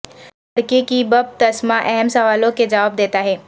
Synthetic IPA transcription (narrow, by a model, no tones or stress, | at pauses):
ɐɽkekibɐb̚t̪ɐsmaʔɛɦɛmsɐʋaːlõked͡ʒɐʋaːb̚d̪eːt̪aɦɛː